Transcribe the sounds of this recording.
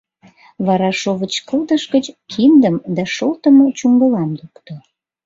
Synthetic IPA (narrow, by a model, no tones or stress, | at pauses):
βɑɾɑʃoβət͡ɕkəld̪əʃɡət͡ɕkʰind̪əmd̪æʃolt̪əmot͡ɕuŋɡəlɑmlukt̪o